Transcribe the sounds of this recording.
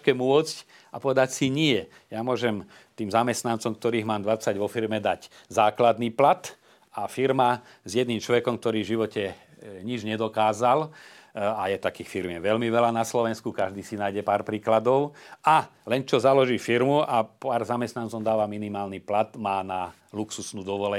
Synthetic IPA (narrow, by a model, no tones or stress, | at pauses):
kɛmʊɔt͡sc | apɔʋɛd̪acsiɲɪɛ | jamʊɔʒɛm | t̪iːmzamɛst̪nant͡sɔmkt̪ɔɾiːɦmaːmd̪ʋat͡saɟʋɔfiɾmɛd̪aɟ | zaːklad̪niːplat̪ | afiɾma | zjɛd̪niːmt͡ʃlɔʋɛkɔmk̚t̪ɔɾiːvʒiʋɔcɛ | ɲid͡ʒɲɛd̪ɔkaːzal | ajɛt̪akiːxfiɾmɛʋɛlmiʋɛlanaslɔʋɛnskukaʒd̪iːsinaːjɟɛpaːɾpɾiːklad̪ɔʊalɛnt͡ʃɔzalɔʒiːfiɾmuʔapaːɾzamɛst̪nant͡sɔmd̪aːʋaminimaːlniplat̪maːna | luksusnuːd̪ɔʋɔlɛ